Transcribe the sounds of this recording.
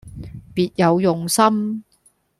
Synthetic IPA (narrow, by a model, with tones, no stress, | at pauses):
piː˨t̚jɐ˨˧wjʊ˨ŋsɐ˥m